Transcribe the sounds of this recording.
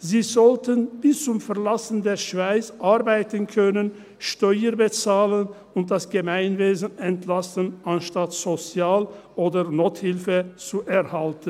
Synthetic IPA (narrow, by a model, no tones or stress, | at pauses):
ziːzɔltənbɪst͡sʊmfɛɐlasən̩deːɐʃv̥aɪt͡sʔaʁbaɪtənkʰœnən | ʃtɔʏəbət͡saːlən | ʊnt̚d̥asɡ̥əmaɪnveːzən̩ɛntʰlastənʔanʃtatz̥ot͡sjaːlʔoːdənoːthɪlfət͡suʔɛʁhaltən